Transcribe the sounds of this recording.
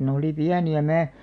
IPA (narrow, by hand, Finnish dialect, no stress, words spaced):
ne oli piæniæ mæː